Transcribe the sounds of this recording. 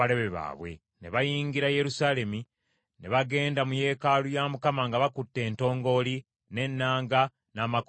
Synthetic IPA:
aɾe̞βeβa̰ːβwe̞̰ | ne̞βajiːŋɡiɾaje̞ɾusaːle̞mi | neβaɡe̞ːndamuje̞ːkalujaːmukamaŋɡaβakutːe̞ːnto̞ːŋɡo̞li | ne̞nːaːŋɡa | naːmak

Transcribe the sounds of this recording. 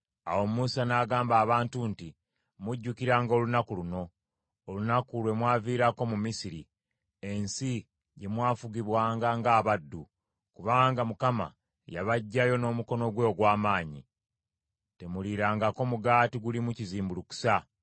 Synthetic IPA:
a̰wo̞muːsanaːɡaːmbaːβaːntunti | muɟːukiɾaːŋɡo̞ːlunakuluno̞ː | lunakulwe̞mwaːviːɾako̞mumisiɾi | e̞nsi | je̞mwaːfuɡiβwaːŋɡaŋɡaːβadːu | kuβaŋɡamukama̰ | ja̰βaɟːajo̞no̞ːmuko̞no̞ɡwe̞ːɡwaːmaːɲḭ | te̞muliɾaːŋɡako̞muɡaːtiɡulimuciziːmbuluku̥sa

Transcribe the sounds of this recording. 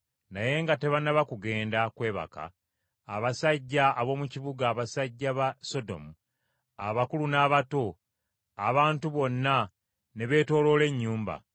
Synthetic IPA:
naje̞ŋɡate̞βanaβakuɡe̞ːndakwe̞ːβa̰ka̰ː | βasaɟːaːβo̞ːmuciβuɡaːβasaɟːaβaso̞do̞̰mu | aβakulunaːβato̞ | aβaːntuβo̞nːa | ne̞βe̞ːto̞ːlole̞ɲːuːmba̰

